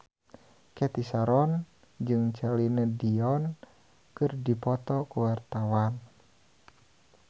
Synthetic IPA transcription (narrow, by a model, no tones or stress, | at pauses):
kɛt̪isaɾɔn | d͡ʒɨŋt͡ʃalinədiɔn | kɨrdipɔt̪ɔkuwart̪awan